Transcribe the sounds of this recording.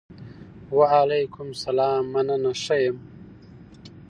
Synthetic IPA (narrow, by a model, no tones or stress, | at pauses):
waalejkʰʊmsɐlaːmːɐnɐnɐʂɐjem